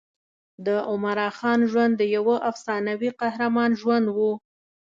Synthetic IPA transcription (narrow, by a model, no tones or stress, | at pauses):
d̪əʔʊmaɾɑxɑnʒwand̪ːəjawəʔafsɑnawiqahɾamɑnʒwand̪wu